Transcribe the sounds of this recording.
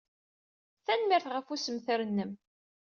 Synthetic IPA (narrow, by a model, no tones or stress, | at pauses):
θænmɪɾθʁəfusəmθɾənːəm